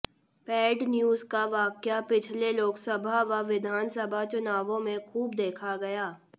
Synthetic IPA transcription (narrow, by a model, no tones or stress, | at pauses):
pɛːɖnjuːzkaʋaːkjapɪt͡ʃʰleloːksəbʱaʋaʋɪd̪ʱaːnsəbʱat͡ʃʊnaːʋõmẽxʰuːbd̪eːkʰaɡɐjaː